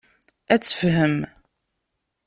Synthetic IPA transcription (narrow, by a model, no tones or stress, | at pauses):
æt͡sːə̥fɦəm